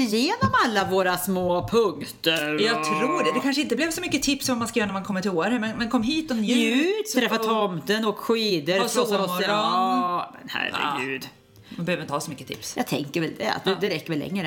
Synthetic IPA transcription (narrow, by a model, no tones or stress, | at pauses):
ɪjeːnɔmalːavoːɾasmoːpʰɵŋt̪əɾjjɑɡtʰɾuːɖɛd̪ɛkʰanʂ̬əɪnt̪əblɛvsɔmʏkːət̪ʰɪpsɔvɔmːanskajːɾnæɾmankʰɔmənt̪ʰoːəɾhæɾmɛnmɛnkʰɔmːɦiːt̪ɔnʉːɾɛfːat̪ʰɔmt̪ənɔkɧiːd̪əɾsɔs | mɛnhæ̰ɾə̰ɡʉ̟ːd̪ | manbɛhøvd̪ɪəhɑːsɔmʏkːə̥t̪ʰɪ̰psjɑ̰ːt̪ʰɛ̰ŋkəɾɛld̪ɛ̰a̰t̪̚d̪d̪ɛɾɛkːəɾvɛlːɛ̰ŋːɾə